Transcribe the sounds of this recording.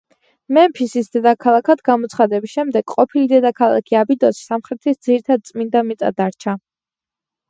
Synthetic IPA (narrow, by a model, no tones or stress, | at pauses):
mɛmpʰisisd̪ɛd̪akʰalˠakʰad̪ɡamɔt̪sʰχad̪ɛbisʃɛmd̪ɛɡ̥qʼɔpʰilid̪ɛd̪akʰalˠa̰kʰiabid̪ɔssamχɾɛt̪ʰisd̪ziɾit̪ʰad̪̚t̪sʼmind̪amit̪sʼa̰d̪aɾt͡ʃʰa